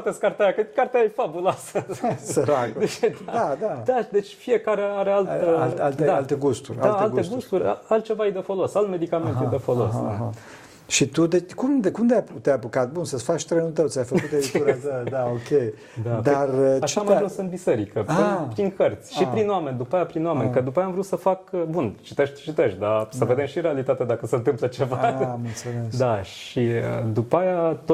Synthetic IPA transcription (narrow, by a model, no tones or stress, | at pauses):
t̪eskart̪aɾakəkart̪aefabuloasəsəɾakued̪ad̪ad̪ad̪et͡ʃʲfije̞kaɾeaɾealt̪əalalt̪ed̪aalt̪eɡust̪uɾrʲaalalɡ̪esɡust̪uɾʲa̰alt̪̚t͡ʃe̞vaejd̪efo̞lo̞salme̞d̪ikame̞nɦ̪ejd̪efolo̞̰s | ʃit̪ud̪et͡ʃkumd̪kumd̪eat̪eapukat̪̚bunsəfat͡ʃt̪ɾenut̪̬əwt̪ʲajfəkut̪eɾit̪uɾad̪əd̪aokʲej | d̪ad̪arat͡ʃiamaʒũnsɨnt̪bise̞ɾikəaipɾiŋkərt̪sʲʃaipɾinwamenʲd̪upajapɾinwamenʲkəd̪upajamvɾusəfakbunt͡ʃit̪eʃt̪t͡ʃit̪eʃt̪̚ʲd̪asəve̞d̪emʃiɾealit̪at̪ed̪akəseɨnt̪ɨmplət͡ʃe̞vamɨlt̪sumesd̪aʃiəd̪upajat̪o